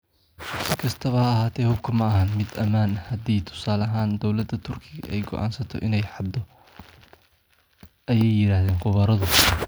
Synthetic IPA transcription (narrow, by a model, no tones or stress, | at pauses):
sɪkʰɐst̪ʰɐβɐhɐːɦaːt̪ʰɛːhʊb̚kʰɐmɐɐɦɐnmɪd̪ɐmaːnhɐd̪iːt̪ʰʊ̥saːlɐɦaːnd̪ɔwlɐd̪ɐt̪ʰʊrkʰɪɣɐʔɛjɡɔ̰ʔa̰ːnsɐt̪ʰɔ̰ʔɪnɛjħɑd̪ɔ | ʔɐjɛjːɪɾaːhðeːnqʊβɐɾɐðʊ